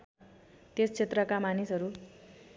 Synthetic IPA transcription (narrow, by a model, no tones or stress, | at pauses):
t̪est͡sʰet̪rʌkamanisʌɾu